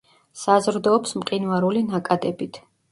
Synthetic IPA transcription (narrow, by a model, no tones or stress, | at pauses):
sazɾd̪ɔːpsmqʼinvaɾulinakʼad̪ɛbit̪ʰ